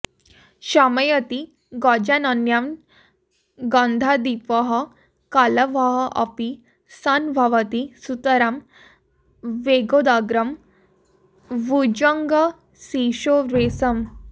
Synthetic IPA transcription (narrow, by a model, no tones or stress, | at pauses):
ɕaməjət̪i | ɡɔd͡ʑanənjam | ɡãnd̪ʱad̪ipəɦə | kaləʋaɦəʔɐpi | sanbʱaʋət̪isut̪əɾam | ʋeɡod̪aɡɾəm | ʋud͡ʑəŋɡə | siɕoɾesəm